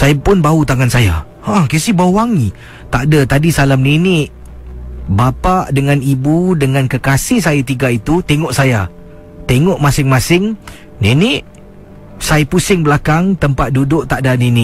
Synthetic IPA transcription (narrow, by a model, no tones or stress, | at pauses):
sajapʊnbaut̪aŋansaja̰ | ahkesibawaŋi | t̪aʔdat̪adisalamnenɪʔ | bapaʔdəŋanibudəŋankəkasɪhsajat̪iɡait̪ut̪eŋɔʔsaja | t̪eŋɔʔmãsɪŋmasɪŋ | nenɪʔ | sajpusɪŋbəlakaŋt̪əmpat̪̚dudʊʔ̚t̪aʔdaninɪʔ